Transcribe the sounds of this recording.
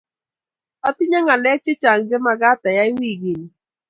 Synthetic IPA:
ɔ˦tɪ˦ɲa˦ŋa˨lɛ˦t͡ʃɪ˦t͡ʃa˨ŋ̩˨d͡ʒe˦ma˨ɡa˦ta˨ja˦i˦wi˦˨ɡi˨ni˨

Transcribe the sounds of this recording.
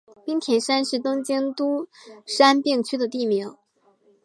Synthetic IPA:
pi˥ŋt̪ʰjɛ˧˥nʂa˥nʂɻ̩˧˥t̪ʊ˥ŋt͡ɕi˥ŋt̪u˥ʂa˥npi˥˧ŋt͡ɕʰy˥d̪ə˨t̪i˥˩mi˧˥ŋ

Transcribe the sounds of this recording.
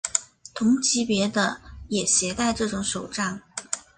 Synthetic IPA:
t̪ʰʊ˧˥ŋt͡ɕʰi˧˥pjɛ˧˥d̪ə˧jɛ˨˩ɕjɛ˧˥t̪a˥˧ɪʈ͡ʂɤ˥˩ʈ͡ʂʊ˨˧˥ŋʂo˨˩ʊʈ͡ʂa˥˩n

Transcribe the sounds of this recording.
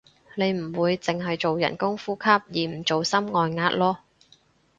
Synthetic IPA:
ne˨˧jm̩˨˩wuː˨˧jt͡sɪ˨ŋɦɐ˨jt͡so˨wjɐ̰˨˩nkʊ˥ŋfuː˥kʰɐ˥p̚jiː˨m̩˨˩t͡so˨wsɐ˥mŋɔː˨jŋaː˧t̚lɔː˥

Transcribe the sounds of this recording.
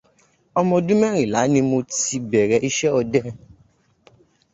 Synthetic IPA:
ɔ˧mɔ̃˧dũ˦mɛ̃˦ɾ̃ĩ˨la˨˦nĩ˧mo˧ti˧bɛ˨ɾɛ˧ʔi˦ʃɛ˦ɔ˧dɛ˦

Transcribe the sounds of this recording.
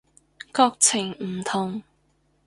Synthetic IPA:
kɔː˧k̚t͡sʰɪ˨˩ŋm̩˨˩t̪ʰʊ˨˩ŋ

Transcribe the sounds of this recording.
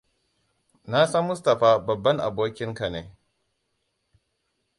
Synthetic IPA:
na˦sɐ˦mːʊ˦stɐ˨ɸaː˦bɐ˨bːɐ˦ŋʔa̰˨boː˦kʲɪ˦ŋka˨neː˦

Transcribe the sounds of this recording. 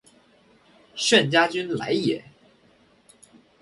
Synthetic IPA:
ʂə˥˩nt͡ɕja˥t͡ɕy˥nla̰˧˥ɪjɛ˨˩˦

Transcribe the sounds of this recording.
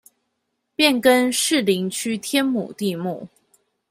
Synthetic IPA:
pjɛ˥˩nkə˥nʂɻ̩˥˩li˧˥ŋt͡ɕʰy˥t̪ʰjɛ˥nmṵ˨˩t̪i˥˧mu˥˩

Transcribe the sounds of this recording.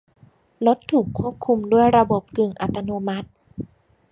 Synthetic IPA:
lo˦˥t̪ʰːuː˨˩kʰːu˥˩əp̚kʰu˧mdu˥˩əjɾa˧bo˨˩p̚kɯ˨˩ŋʔa˨˩t̪ːa˧noː˧ma˦˥t̪̚

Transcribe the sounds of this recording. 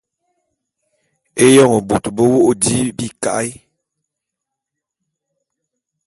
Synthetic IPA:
e˦jɔ˦˨ŋɔ˨bu˨tbo˦wo˦ʔdi˦bi˦ka̰˦j

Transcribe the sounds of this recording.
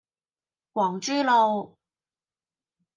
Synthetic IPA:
kwɔː˨˩ŋt͡ʃyː˥lo˨˧w

